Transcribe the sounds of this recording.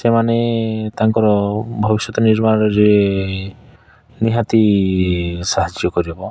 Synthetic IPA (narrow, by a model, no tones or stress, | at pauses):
semanet̪aŋkɔɾɔbʱɔbiʃɔt̪ɔniɾmaɾɔɾe | niɦat̪i | saɦad͡ʒjɔkɔɾiɦebɔ